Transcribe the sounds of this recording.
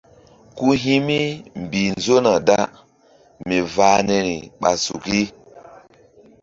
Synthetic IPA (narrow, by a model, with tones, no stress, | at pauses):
ku˦ɦi˦mi˦m˨bi˨n˨zo˦na˨da˦ | mi˨vaː˨nɛ˨ɾi˨ɓa̰˨sṵ˨ki˦